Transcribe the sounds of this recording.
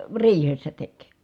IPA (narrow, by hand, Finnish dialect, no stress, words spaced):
riːhesːæ tek